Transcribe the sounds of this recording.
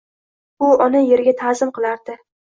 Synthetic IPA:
bʊɒnaje̞ɾɡʲat̪ʰazɪmqʰɨlˠaɾd̪ɪ

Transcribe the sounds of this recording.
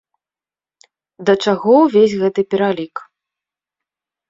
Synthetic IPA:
d̪ɐt͡ʂaɣɔwvʲesʲɣɛt̪ɨpʲɛɾalʲik

